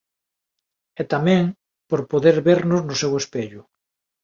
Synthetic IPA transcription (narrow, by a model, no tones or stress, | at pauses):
ɛt̪amɛ̃ŋ | poɾpoðeɾβeɾnʊznʊsewespeʎʊ